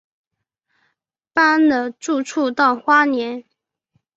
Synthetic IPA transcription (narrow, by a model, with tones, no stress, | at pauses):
pa˥nd̪ə˨ʈ͡ʂu˥˧ʈ͡ʂʰu˥˧t̪ɑ˥˩ʊxwa˥njɛ˧˥n